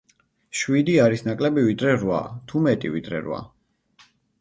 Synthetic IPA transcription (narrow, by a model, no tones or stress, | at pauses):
ʃwid̪iaɾisnakʼlɛbivid̪ɾɛɾwa̰t̪ʰumɛt̪ʼḭvḭd̪ɾɛ̰ɾwa̰